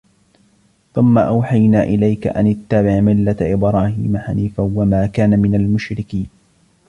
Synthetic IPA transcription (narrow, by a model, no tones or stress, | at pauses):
θʊmːaʔawħajnaːʔɪlajka̰ʔa̰nɪt̪ːabɪʕmɪlːat̪ʔɪbɾˤɑːhḭːmaħaniːfawamaːkaːnamɪnalmʊʃɾɪkiːn